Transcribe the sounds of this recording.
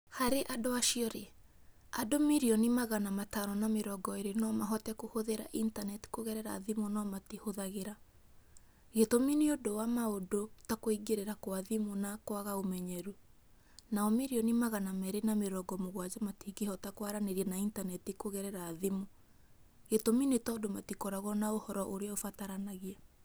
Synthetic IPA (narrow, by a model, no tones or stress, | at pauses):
haɾeʔadoaʃiɔɾe | adomiɾiɔnimaɣanamataɾɔnameɾɔɡɔeɾenɔmaɦɔtɛkohoðeɾa̰ʔintanɛti̥koɣɛɾɛɾa̰ðemonɔmatehoðaɣeɾa | ɣetominiodowamaodotakoiɡeɾeɾakwaðimonakwaɣaomɛɲɛɾu | naɔmeɾiɔnemaɣanamɛɾenameɾɔɡɔmoɣwad͡ʒɔmatiɡihɔtakwaɾaneɾiɛnaintanɛtikoɣɛɾɛɾaðemo | ɣetominetɔdomatikɔɾaɣɔnaohɔɾɔʔoɾeaofataɾanaɣia